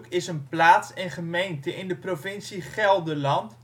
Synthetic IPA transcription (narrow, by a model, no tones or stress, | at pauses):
kɪsənplaːtsɛnχəmejntəʔɪndəprovɪnsiχɛlˠdəlɑnt